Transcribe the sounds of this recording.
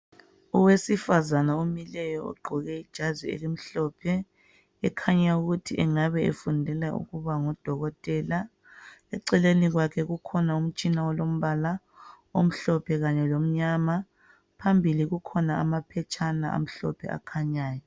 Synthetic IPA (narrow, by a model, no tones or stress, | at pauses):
uwesifazanaomilɛjɔṵɡ͡ǃʱɔɣɛid̥ʒ̥ʱazwiḛlim̩ɬɔpʰɛ | ɛkʰaɲauɣutʰiʔɛŋaβɛḛfundʱɛlaʔṵɣuβaŋɔd̥ʱɔɣɔtʼɛla | ɛǀɛleniɣwakʰɛɣukʰɔnaum̩t͡ʃʼinaɔlom̩βala | om̩ɬɔpʰɛɣaɲɛlom̩ɲama | pʰambʱiliɣukʰɔnaa̰mapʰɛt͡ʃʼʰanaʔa̰m̩ɬɔ̰pʰɛ̰a̰kʰaɲaːjɔ